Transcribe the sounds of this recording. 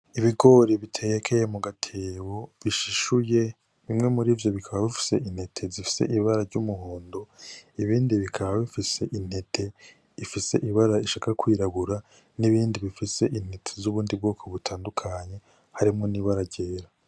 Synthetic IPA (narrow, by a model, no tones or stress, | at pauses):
iβiɡo̞ɾiβitʰeːjekʰejemuɡatʰeːwo̞βiʃiʃuje̞ | βimŋe̞muɾiːvjo̞βikʰaβaβifi̥se̞ʔin̥he̞tʰe̞zifi̥se̞̰ʔiβaɾaɾɟumuɦoːndo̞iβiːndiβikʰaβaβifise̞ʔin̥he̞tʰe̞ | ifise̞̰ʔiβaɾaiʃaːkakwiːɾaβuɾa | niβiːndiβifise̞ʔin̥hetʰezuβuːndib̚ɡo̞ːkʰo̞βutʰaːndukʰaɲe̞ | haɾimŋo̞niːβaɾaɟe̞ːɾa